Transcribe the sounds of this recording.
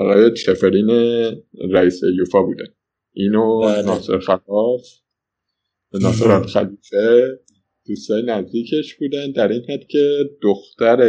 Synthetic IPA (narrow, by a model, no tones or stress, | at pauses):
ɒɣɒːjet͡ʃʰefeɾiːneɾæiːsejuːfɒːbuːd̪æn | ʔiːnonɒːsḛɾxælɒːf | nɒːseɾɒlxæliːfe | d̪̥uːst̪ɒːjenæzd̪iːcʰe̞ʃb̥uːd̪ænd̪æɾiːnhæd̪̥cʰe̞d̪oxt̪æɾe